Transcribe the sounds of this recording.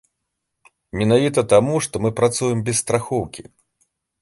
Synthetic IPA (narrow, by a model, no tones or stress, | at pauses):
mʲɛnavʲit̪ɐt̪amuʂt̪ɔmɨpɾat̪sujɛmbʲɛsst̪ɾaxɔwkʲi